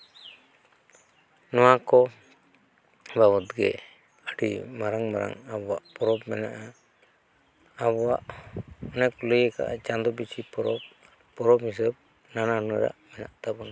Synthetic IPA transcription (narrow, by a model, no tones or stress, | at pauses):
nɔwakɔ | baβɔt̪ɡɛ̰ | əɖḭmaɾaŋmaɾa̰ŋabɔwaʔpɔɾɔb̚mɛnaʔa | aβɔwaʔɔnɛkɔləjəka̰ʔa̰d͡ʒand̪ɔbit͡ʃʰipɔɾɔb | pɔɾɔb̚his̬əb̚ | nananuɛ̰ɾa̰ʔmɛna̰ʔt̪abɔna